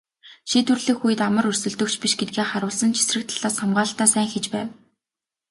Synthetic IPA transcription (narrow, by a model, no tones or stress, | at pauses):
ʃiːt̪ɵrɮɘ̆kxujɘ̆t̪amə̆rɵrsɵ̆ɮt̪ɵ̆k̚t͡ɕʰpiʃɡet̪̚ɡeːχaɾʊːɮsə̆nt͡ɕʰi̥srɘ̆k̚t̪ʰḁɮ̥aːsχamɢaːɮt̪aːsæːŋxet͡ɕpæːw